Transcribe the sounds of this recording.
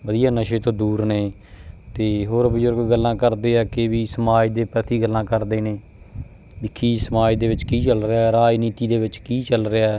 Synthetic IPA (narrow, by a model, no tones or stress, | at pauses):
ʋəd̪ijãːnəʃeːt̪õːd̪uːɾneː | t̪eːɦoːɾbəzʊɾɡːəlːãːkəɾd̪eːɛːkeʋiːsəmaːd̪eːpɛt̪ʰiːɡəlːãːkəɾd̪eːneː | bɪkʰːiːsəmaːid̪eːʋɪt͡ʃkiːt͡ʃəlɾeaːɾaːd͡ʒniːt̪iːd̪eːʋɪt͡ʃkiːt͡ʃəlɾeaɛː